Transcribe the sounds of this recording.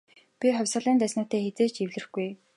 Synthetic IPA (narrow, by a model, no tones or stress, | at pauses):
pʲiχʊwʲsʁə̆ɮiːnt̪æsnʊːt̪eːxet͡seːt͡ɕiwɮɘ̆xɡuj